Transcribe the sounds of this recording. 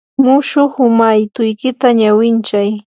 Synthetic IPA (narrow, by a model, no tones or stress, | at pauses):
mʊʃʊχʊmajt̪ʊjkɪt̪aɲawɪnt͡ʃaj